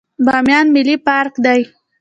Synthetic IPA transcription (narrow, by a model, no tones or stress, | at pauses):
bɑmjɑnmɪlipɑɾkd̪aj